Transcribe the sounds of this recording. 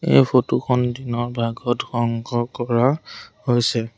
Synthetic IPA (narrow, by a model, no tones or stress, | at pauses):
ḛjpʰotukʰɔndinɔɹbʱaɡɔtxɔŋkɔkɔɹahojsɛ